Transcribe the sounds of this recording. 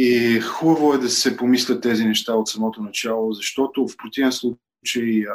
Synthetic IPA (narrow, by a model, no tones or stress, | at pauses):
ixubəvoɛd̪ɐsɛpomislʲɐt̪ːɛzinɛʃt̪aot̪sɐmɔt̪onɐt͡ʃalˠozɐʃt̪ɔt̪ofpɾot̪ivɛnslˠu | t͡ʃəj